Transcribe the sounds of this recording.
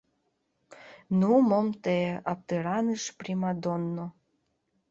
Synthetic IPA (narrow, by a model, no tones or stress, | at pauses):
numomt̪eɑp̚t̪əɾɑnɨʃpɾimɑd̪onːo